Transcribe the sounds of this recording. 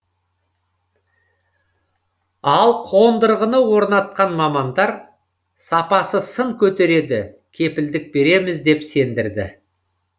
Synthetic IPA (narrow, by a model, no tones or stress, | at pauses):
ɑlˠqʰo̞nd̪əɾʁənəwo̞ɾnɑt̪̚qɑnmɑmɑnd̪ɑɾ | sɑpɑsəsəɴkʲʰɵt̪e̞ɾe̞d̪ɪ | kʲʰe̞pɪld̪ɪk̚be̞ɾe̞mɪzd̪e̞pse̞nd̪ɪɾd̪ɪ̰